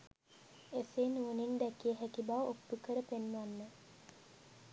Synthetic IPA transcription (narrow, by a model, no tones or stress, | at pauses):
eseːnuːnind̪ækijeɦækibaʋʔopt̪ukəɾəpenːuanːə